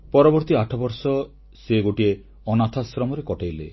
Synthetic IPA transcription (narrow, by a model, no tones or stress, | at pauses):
pɔɾɔbɔɾt̪iaʈʰɔbɔɾsɔ | seɡoʈie | ɔnat̪ʰasɾɔmɔɾekɔʈajlḛ